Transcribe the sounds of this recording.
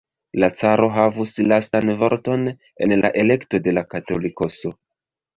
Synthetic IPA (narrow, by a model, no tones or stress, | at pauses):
lat͡saɾo̞ɦavuslastanvo̞ɾto̞n | e̞̰nla̰ʔe̞le̞kto̞de̞lakato̞liko̞so